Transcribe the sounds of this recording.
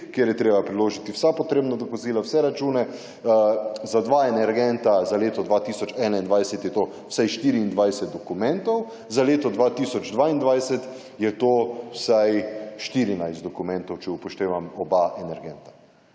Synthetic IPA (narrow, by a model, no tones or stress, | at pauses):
kjeɾjɛt̪ɾeːbapɾiloːʒit̪iwsapɔt̪ɾeːbnad̪ɔpusiːlawsɛɾat͡ʃuːnɛ | zad̪ʋaːenɛɾɡɛnt̪azaleːt̪ɔd̪ʋat̪iːsɔt͡ʃɛnaind̪ʋajsɛt̪jɛt̪oː | wsajʃt̪iːɾiːnd̪ʋajsɛt̪̚d̪ɔkumɛ̃nt̪ɔw | zaleːt̪ɔd̪ʋat̪iːsɔd͡ʒd̪ʋaind̪ʋajsɛt̪ | jɛt̪oːwsajʃt̪iɾinajst̪d̪ɔkumɛnt̪ɔwt͡ʃɛupɔʃt̪eːʋamɔbaʔɛnɛɾɡɛnt̪ḁ